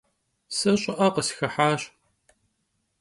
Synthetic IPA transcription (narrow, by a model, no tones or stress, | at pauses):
sɐɕʼɪʔɐqəsxɐħaːɕ